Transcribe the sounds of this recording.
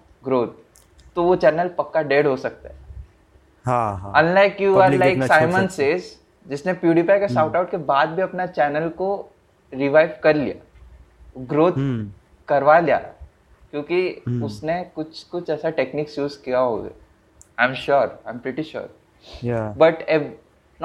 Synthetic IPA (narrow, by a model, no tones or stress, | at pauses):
ɡɾoːt̪̚ | t̪ːoʋot͡ʃɛːnəlpɐkːaɖeːɖɦosɐk̚t̪aɦɛ | ɦaə̃nlaɪkjuaɾlaɪkksaːɪmə̃nsez | d͡ʒɪsnepjuːɖipaɪkeʃaʊʈaʊʈ̚kebaːd̪̚bʱiɐpnat͡ʃɛːnəlko | ɾɪʋaɪʋkɐɾlḭja̰ | ɡɾoːt̪ | kɐɾʋalija̰ | kjõːkiʊsnekʊt͡ʃʰkʊt͡ʃʰɛːsaʈeːkniːksjuːzkijaɦo̰ːɡa̰ | ãɪ̃mʃɔɾãɪmpɾɪʈiʃɔ̰ːɾ | jbɐʈɛ